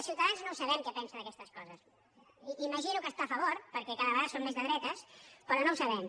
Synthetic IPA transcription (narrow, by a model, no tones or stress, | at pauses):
lˠsiwt̪əðanznowsəβɛmkɛpɛnsənəkɛst̪əskɔzəs | iməʒinukəst̪afəβoɾpəɾkɛkaðəβəɣaðsomːezðəðɾɛt̪əspɾɔnowsəβɛm